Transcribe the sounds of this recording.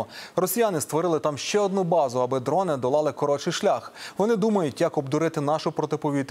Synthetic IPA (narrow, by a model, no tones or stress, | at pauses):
rɔsʲijanɪst̪ʋɔɾɪlˠɪt̪ɑmʃt͡ʃɛɔd̪̚nubɑzʊɐbɪd̪ɾɔnɪd̪ɔlˠɑlˠɪkɔɾɔt͡ʃɪjʃlʲaxʋɔnɪd̪umɐjʊtʲjɐkɔbd̪ʊɾɪt̪ɪnɑʃʊpɾɔt̪ɪpɔʋʲit̪